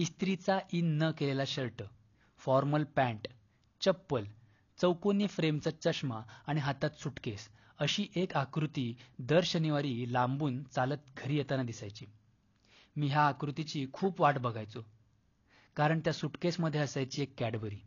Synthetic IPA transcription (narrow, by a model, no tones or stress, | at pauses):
ist̪ɾit͡saʔinːəkelelaɕəɭʈə | fɔɾməlpɛ̃ɳʈ | t͡ɕəpːəl | t͡səwkoniːfɾemt͡sət͡ɕəɕmaaɽ̃iɦat̪at̪suʈkes | əɕiːʔekakɾut̪iːd̪əɾɕəniʋaɾiːlãmbuːnt͡salət̪̚ɡʱəɾiːjet̪anad̪isajt͡ɕiː | miːɦjaːkɾut̪it͡ɕiːkʰuːpʋaʈbəɡʱajt͡so | kaɾəɳt̪jasuʈkesməd̪ʱːjeəsajt͡ɕiːekːɛɽbəɾiː